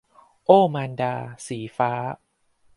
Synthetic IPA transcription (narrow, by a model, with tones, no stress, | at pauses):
ʔoː˥˩maː˧ndaː˧siː˩˦faː˦˥